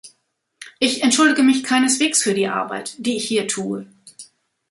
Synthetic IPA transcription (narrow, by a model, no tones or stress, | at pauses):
ʔɪçɛntʃʊldɪɡəmɪçkʰaɪnəsv̥eːksfyːɐdiːʔa̰ɐba̰ɪtd̥iːɪçhiːɐtʰuːə